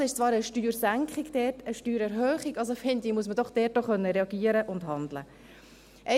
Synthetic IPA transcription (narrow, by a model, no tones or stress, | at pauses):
ɪʃt͡svɑːɾəʃtyːɾsæŋkχɪɡd̥ɛːtəʃtyːɾɛɾɦœːχɪɡɑlsofɪndɪmuəs̬məd̥ɔχd̥ɛːt̚ːoχœnːəɾɛɑɡiːəɾəʔʊndhɑndlə̰ | ʔɛ